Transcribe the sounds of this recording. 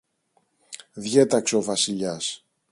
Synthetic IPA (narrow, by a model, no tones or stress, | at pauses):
ðʝet̪ɐkseo̞vɐsiʎɐs